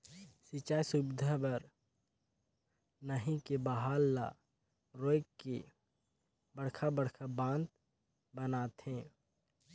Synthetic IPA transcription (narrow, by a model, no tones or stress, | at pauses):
sit͡ʃaːjsʊbɪd̪ʱabəɾ | nəɦĩkebaɦaːlːa̰ | ɾoːjkke | bəɽ̤kʰabəɽkʰabãːnt̪ | bənaːt̪hɛ̃ː